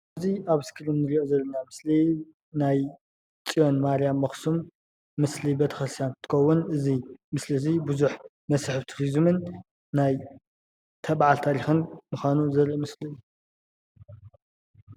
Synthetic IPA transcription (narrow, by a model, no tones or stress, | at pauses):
ɐziʔaβɨskʰɨɾɨmnɨɾiʔozɐlːɐnamɨsli | naj | t͡sʼijonmaɾijamːɐxsumː | ɨslibɐt̪ʰɐxɐsjant̪ʰːɨ̥xɐwːʊnʔɨzimɨslizibuzuħ | mɐsħɨβt̪ʰuɾizmɨnː | aj | t̪ʰɐβʕalt̪ʰaɾixɨnmuxʷanuzɐɾimɨsliɨjːu